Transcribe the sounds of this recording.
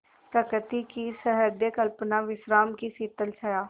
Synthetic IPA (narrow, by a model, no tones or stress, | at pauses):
pɾɐkɾt̪ikisəɦəɾd̪jəkəlpnaʋɪʃɾaːmkisiːt̪əlsəjaː